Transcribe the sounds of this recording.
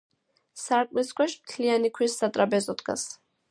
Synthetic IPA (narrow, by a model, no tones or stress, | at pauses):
saɾkʼliskʰwɛʃmt̪ʰlianikʰwisːat̪ʼɾabɛzɔd̪ɡa̰s